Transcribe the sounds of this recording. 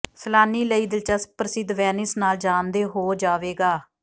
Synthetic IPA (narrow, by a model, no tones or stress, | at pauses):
səlaːniːləiːd̪ɪlt͡ʃaːspɾəsɪd̪ʋɛːnɪsnaːld͡ʒaːnd̪eːɦoːd͡ʒaːʋeːɡaː